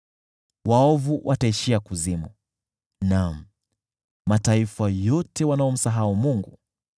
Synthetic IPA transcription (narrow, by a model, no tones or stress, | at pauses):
wʔaɔvuwʔataiʃiakuzimu | nam̩ | mataifajɔtɛwanaɔm̩saɦaumuŋɡu